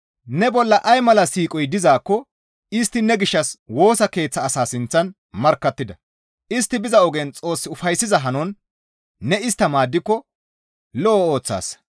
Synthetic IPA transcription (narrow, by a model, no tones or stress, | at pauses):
nɛbɔlːɐʔɐjmɐlɐsiːkʼɔjd̪ɪzaːkːɔ | ɪst̪ːɪnɛɡɪʃːɐswo̞ːsɐke̞ːt͡sːɐːsaːsɪnt͡sːɐn | mɐɾkːɐt̪ːɪd̪ɐ | ʔɪst̪ːɪbɪzɐɔɡɛnt͡sʼo̞ːsːɪʊfɐjsːɪzɐɦɐnɔnː | ɛɪst̪ːɐmaːd̪ːɪkːɔ | lɔːo̞ːt͡sːa̰ːs